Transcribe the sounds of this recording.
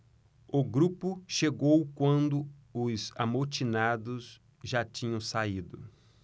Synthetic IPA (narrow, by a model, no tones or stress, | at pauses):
ʊɡɾupʊʃeɡowkwɐ̃nd̪ʊ | ʊzamoɾt͡ʃinad̪ʊs | ʒat͡ʃĩɲɐ̃w̃said̪ʊ